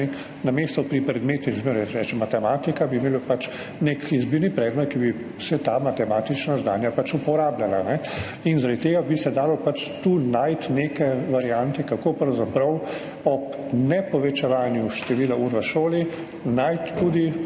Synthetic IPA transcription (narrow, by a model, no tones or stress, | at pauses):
i | nameːst̪ɔpɾipɾɛd̪meːt̪izmɾɛsɾɛt͡ʃɛmat̪ɛmaːt̪ikabimeːlopat͡ʃ | nekizbiːɾnipɾɛːd̪mɛt̪̚kibi | sɛt̪aːmat̪ɛmaːt̪it͡ʃnazd̪a̰ːnjapat͡ʃupɔɾaːblalanɛ | inzaɾad̪t̪eːɡabisɛd̪aːlɔpat͡ʃt̪uːnajt̪nekɛʋaɾijant̪ɛkakoːpɾɐwzapɾɐw | ɔp | nɛpɔʋɛt͡ʃɛʋaːnjuʃt̪ɛʋiːlauɾʋaʃoːli | najt̪ːud̪i